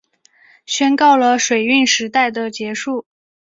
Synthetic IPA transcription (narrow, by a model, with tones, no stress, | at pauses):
ɕɥɛ˥nkɑ˥˩ʊlə˩ʂwe˨˩ɪy˥˩nʂɻ̩˧˥t̪a˥˩ɪd̪ə˩t͡ɕjɛ˧˥ʂu˥˩